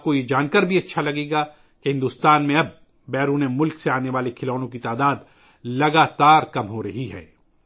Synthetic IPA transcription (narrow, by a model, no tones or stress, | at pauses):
kojed͡ʒaːnkəɾbʱiɐtːʃʰalɐɡeːɡa | keɦɪ̃nd̪uːst̪aːnmẽɐb̚ | bɛːɾuːnemʊlkseaːneʋaːlekʰɪlɔːnõkit̪aːd̪aːd̪ | lɐɡaːt̪aːɾkɐmɦoɾɐɦiɦɛ̰ː